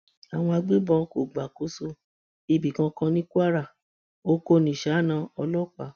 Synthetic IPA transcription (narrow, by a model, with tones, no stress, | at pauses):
a˨w̃ɔ̃˧a˧ɡ͡bi˦bɔ̃˧˦ko˨ɡ͡ba˨ko˨˦so˧ | i˨bi˨kã˧kã˧nĩ˦ku˦a˦ɾa˦˨ | o˦ko˦˨nĩ˨ʃa˨˦˨nã˧ɔ˧lɔ˦k͡pa˨˦